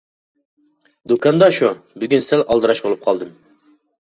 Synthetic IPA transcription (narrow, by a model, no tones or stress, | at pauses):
d̪ukɑnd̪ɑʃubyɡʲynsɛlɑlˠd̪ɨɾɑʃbolˠup̚qʰɑlˠd̪ɨm